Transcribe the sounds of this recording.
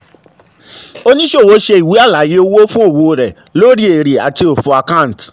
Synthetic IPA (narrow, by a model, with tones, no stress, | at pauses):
o˦nĩ˦ʃo˦˨wo˨˦ʃe˧i˨wi˨˦a˦˨la˨˦je˦o˧wo˦fũ˦o˦˨wo˧˨ɾɛ˨ | lo˦ɾi˦e˨ɾi˨a̰˨ti˧o˨fu˧˦a˧kã˦˨t